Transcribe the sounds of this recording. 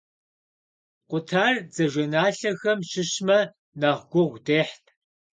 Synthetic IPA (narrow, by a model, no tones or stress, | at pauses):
qʷʊtʰaːrd͡zɐʒʷɐnaːɬɐxɐmɕɪɕmɐ | naːʁɡʷʊʁʷdeːħtʰ